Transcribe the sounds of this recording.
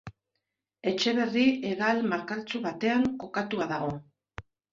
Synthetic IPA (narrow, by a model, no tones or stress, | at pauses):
e̞t͡ʃe̞βe̞rie̞ɣalmaɾkalt͡suβat̪e̞aŋko̞kat̪uaðaɣ̞o̞